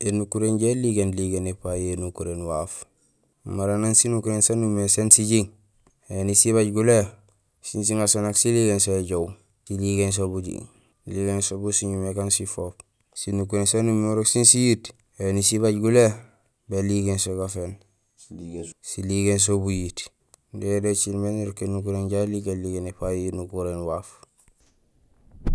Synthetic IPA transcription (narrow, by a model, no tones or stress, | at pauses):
enukuɾenɟeliɡenliɡenepajenukuɾenwaf | maɾanansinukuɾensanumesensiɟiŋ | enisiβaɟɡule | sins̬iŋasonaksiliɡensoeɟow | siliɡens̬obuɟḭ | liɡensobusiɲumekansifoːp | sinukuɾensonumoɾoksinsijit | enisiβaɟɡule | beliɡensoɡafen | siliɡens̬obujit | dedet͡ʃilmeniɾokːenukuɾenɟaliɡenliɡenipajjinukuɾenwaːf